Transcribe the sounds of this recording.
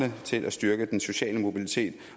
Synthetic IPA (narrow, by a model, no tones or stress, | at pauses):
nət͡sʰe̝lʔæsd̥ɶɐɡ̥əd̥enso̝ɕɛ̰ːləmo̝bilit͡sʰe̝̰ːd̥